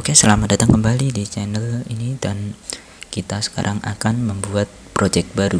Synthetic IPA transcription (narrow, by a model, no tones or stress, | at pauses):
okesəlamadat̪aŋkəmbalidit͡ʃɛnəlinidan | kit̪asə̥ka̰ɾʔaŋʔa̰kanməmbuat̪̚pɾod͡ʒɛk̚baɾu